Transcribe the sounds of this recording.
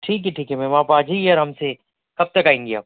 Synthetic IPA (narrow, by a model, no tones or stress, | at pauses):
ʈʰiːk̬ɦeʈʰiːkɦɛmẽmapaːd͡ʒiɔɾɦɐmse | kɐb̚t̪ɐkaːɪ̃ŋɡija̰ː